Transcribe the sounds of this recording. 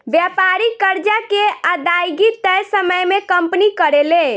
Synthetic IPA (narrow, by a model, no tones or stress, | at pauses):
bjapaɾikəɾd͡ʒakeəd̪ajɡit̪əjsəməjmekəmpnikəɾele